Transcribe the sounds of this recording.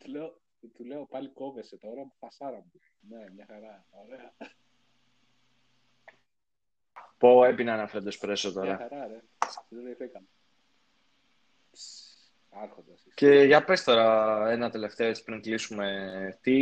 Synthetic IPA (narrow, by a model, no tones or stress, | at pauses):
t̪uleo | t̪uleopɐliko̞veset̪oɾɐmfɐsɐɾɐmu | neimɲɐxɐɾɐoɾeɐ | poepinɐnɐfeɾend̪ospɾe̞sot̪o̞ɾɐɐɾɐne | ðed̪eθekɐn | ɐɾxond̪ɐsisce̞ʝɐpe̞st̪o̞ɾɐenɐt̪e̞le̞ft̪e̞o̞et͡si̥pɾiŋklisume̞t̪i